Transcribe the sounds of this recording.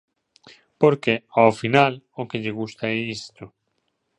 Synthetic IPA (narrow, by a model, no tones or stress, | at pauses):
poɾkeawfinal | okeʎeɣ̞ust̪aɛist̪o